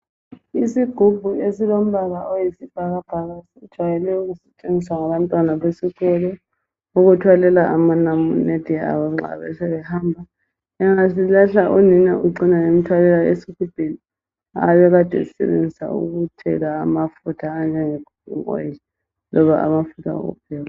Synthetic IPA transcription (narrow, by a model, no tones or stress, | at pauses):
isiɡ̥ʱub̥ʱuesilom̩βaɣaʔojisib̥ʱaɣab̥ʱaɣasiud̥ʒ̥ʱwajɛlɛuɣusɛt͡ʃʼeniswaŋaβantʼwanaβesiɣɔlɔ | uɣutʰwalɛlaʔamanamuned̥ʱia̰βaŋ͡ǁa̰βɛ̰sɛβɛhambʱa | ɛŋasilaɬaʔuninɛuǀinaŋemitʰwalɛlaesikub̥ʱeni | a̰βɛɣad̥ʱɛ̰isɛ̰βḛnd͡zʱisa̰ṵɣutʰɛ̰ɣaːmafutʰaːnd͡ʒʱɛŋeɡ̥ʱub̥̚ʱṵŋɔ̰l | lɔβaʔa̰mafutʰa̰o̰ɣṵpʰɛːɣa